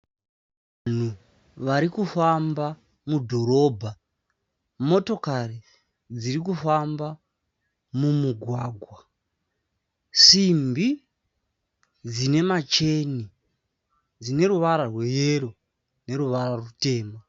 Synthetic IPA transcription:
ʋan̤u | ʋaɾikufamba | mudʱo̞ɾo̞ːbʱa | mo̞to̞kari | d͡zirik̬ufamba | mumuɡʱwaːɡʱwa | simbi | d͡zine̞mat͡ʃe̞ni | d͡zine̞ruʋaɾarwe̞jeɾo̞ | ne̞ɾuʋaɾarute̞ːma

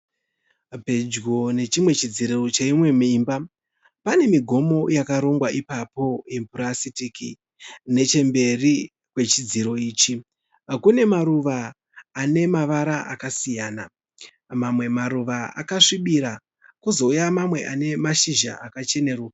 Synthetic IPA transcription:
pe̞d͡ʒɡo̞ne̞t͡ʃimwe̞t͡ʃid͡ziɾero̞t͡ʃeimwe̞mimba | pane̞miɡʱo̞mo̞jakaɾo̞ŋɡwaʔipapo̞je̞mpuɾasitiki | ne̞t͡ʃe̞mbe̞ri | kwe̞t͡ʃid͡ziɾo̞iːt͡ʃi | kune̞maɾuʋaː | ne̞maʋaɾaʔa̰kasijaːna | mamwe̞maɾuʋaa̰kaʂiɓiɾa | kuzo̞ujamamwe̞ʔane̞maʃiʒa̰ʔakat͡ʃe̞ne̞ːrwo

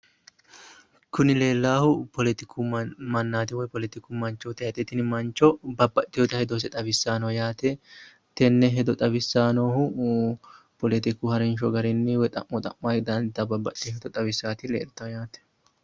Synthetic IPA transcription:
kʊnɪle̞ːlːaːhʊpʰɔlɛt̪ɪkʰumɐnːaːt̪ɪwɔjpɔlɛt̪ɪkumɐnt͡ʃːoːt̪ɐjɐt̪ʼːɛt̪ɪnɪmɐnt͡ʃːɔbɐbːɐt̪ʼːɪjoːt̪ɐhɛd̪osɛt̪ʼɐbɪsːaːnɔjaːt̪ɛ | t̪ɛnːɛɦɛd̪ɔt̪ʼɐbɪsːaːnoːhʊ | pɔlɛt̪ɪkuhɐɾɛnʃɔɡɐɾɛnːɪwɛt̪ʼɐ̰ʔːɔt̪ʼɐ̰mːaɪd̪ɐnɪd̪ːɐbɐbːɐt̪ːɪhɛd̪ɔt̪ʼɐbɪsːaːt̪ɪlḛːlt̪ːɐjaːt̪ɛ̥

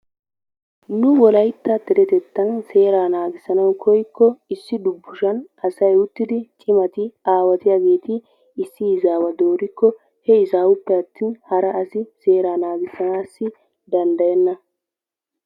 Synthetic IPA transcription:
nʊwɔlɐjt̪ːɐt̪ɛɾɛt̪ɛt̪ːɐnse̞ːɾaːnaːɡɪsɐnɐwkʰɔjkːɔɪsːɪd̪ʊbːʊʃɐnʔɐsɐjʊt̪ːɪd̪ɪt͡ʃʼɪmɐt̪ɪaːwɐt̪ɪjaːɡe̞ːt̪ɪː | sːɪɪzaːwɐd̪oːɾɪkːɔ | hɛɪzaːwʊpːɛɐt̪ːiːnhɐɾɐʔːsɪse̞ːɾaːnaːɡɪsːɐnaːsːɪ | d̪ɐnd̪ɐjɛnːɐ

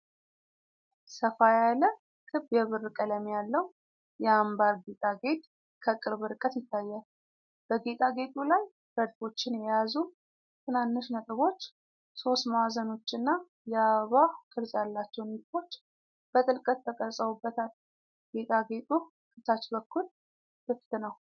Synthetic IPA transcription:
səfajalə | kʰɨbjɛβɨrːɨkʼələmjalːəw | jɛambaɾɡet̪ʼaɡe̞t̪ʼ | kʰəkʼɨɾβɨɾkʼət̪jɪt̪ʰːajːa | b̥əɡet̪ʼaɡe̞t̪ʼulaj | ɾəd̪fo̞t͡ʃːɪnjɛjazu | t̪ʰɨnanːɨʃnət̪ʼɨβo̞t͡ʃː | so̞st̪mawazəno̞t͡ʃːɨnːa | jɛaβahkʼɨɾzʼjalːat͡ʃːɛwnifo̞t͡ʃː | b̥ət̪ʼɨlkʼət̪ʰːəkʼəsʼəwubːət̪ʰal | ɡ̥et̪ʼaɡe̞t̪ʼu | kʰʼɨt̪ʰat͡ʃːbəkʰːul | fɨft̪ɨnəw

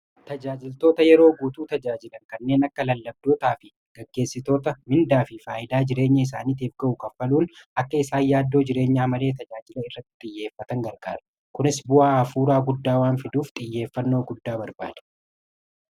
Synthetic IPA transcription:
t̪ɐd͡ʒaːd͡ʒɪlt̪o̞ːt̪ɐjɛɾo̞ːɡuːt̪uːt̪ɐd͡ʒaːd͡ʒɪlɐŋkɐnːe̞ːnɐkːɐlɐlːɐb̚d̪o̞ːt̪aːfɪ | ɡ̥ɐɡːe̞ːsːɪt̪o̞ːt̪ɐmɪnd̪aːfɪfaːʔɪd̪aːd͡ʒɪɾe̞ːɲːɐɪs̬aːniːt̪eːfɡɐʔʊkɐfːɐluːnʔɐkːɐɪsaːnjaːd̪ːo̞ːd͡ʒɪɾe̞ːɲːaːmɐle̞ːt̪ɐd͡ʒaːd͡ʒɪlɐɪrːɐt̪ːɪ̥t̪ʼɪjːe̞ːfːɐt̪ɐŋɡɐɾɡaːɾɐ̥ | kʊnɪsbʊʔaːɐfuːɾaːɡʊd̪ːaːwaːnfɪd̪uːft̪ʼɪjːe̞ːfːɐnːo̞ːɡʊd̪ːaːbɐɾba̰ːd̪̥ɛ̥

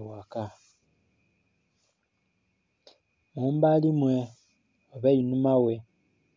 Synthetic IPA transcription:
waka | mumbalimwe | oβejinumawe

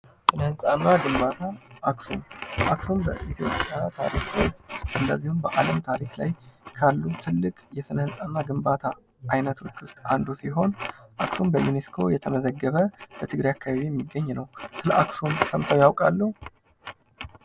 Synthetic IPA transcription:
sɨnhɨnsʼanːaɡɨmbat̪ʰaʔaksumʔaksumbəʔit̪ʰjo̞pʼjat̪ʰa̰ɾikost̪ʼɨnːəzːihumbəʔaləmt̪ʰaɾikla̰jkʰalːut̪ʰɨlːɨkʼjɛsɨnhɨnsʼanːaɡɨmbat̪ʰaː | jnət̪ʰo̞t͡ʃːwʊst̪ʼand̪usiɦo̞nʔaksumbəjuneskʰo̞̰jɛt̪ʰəməzəɡːəβəbət̪ʰɨɡɾajakʰːaβaβijɛmːiɡːəɲːnəwsɨləʔaksumsəmt̪ʰawjawkʼalːəhu

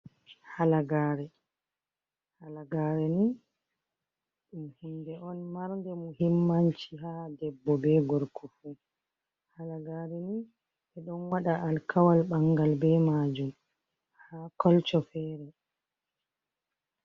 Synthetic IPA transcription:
halaɡaːɾɛ | halaɡaːɾɛni | ɗmhimdɛʔɔnmaɾndɛmuhimːaɲt͡ʃihadɛbːɔbɛɡɔɾkʰɔfu | halaɡaɾɛni | ʔɛɗɔnwaɗaʔːlkʰawalɓaŋɡalbɛmaːd͡ʒum | haːkɔlt͡ʃɔfɛːɾɛ

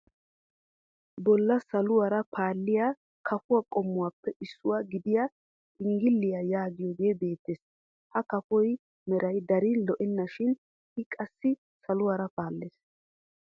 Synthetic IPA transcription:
bɔlːɐsɐlʊwɐɾɐpʰaːlːɪja | kʰɐfʊwakʼɔmːʊwaːpːɛʔɪsːʊwaɡɪd̪ɪja | ɪŋɡɪlːɪjajaːɡɪjɔɡeːbe̞ːt̪ːeːs | hɐkɐfɔj | mɛɾɐjd̪ɐɾɪlɔʔɛnːɐʃɪn | ʔɪkʼɐsːɪ | sɐlʊwaɾɐpaːlːeːs

